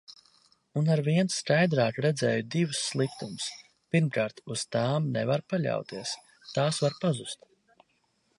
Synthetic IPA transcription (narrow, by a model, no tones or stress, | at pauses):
unaɾviɛnsskajd̪ɾaːkɾɛd̪zɛːjud̪ivusːlˠikt̪umʊs | piɾmkaːɾt̪uz̥t̪aːmnɛvaɾpaʎʲa̰wt̪iɛs | t̪aːsvaɾpazust̪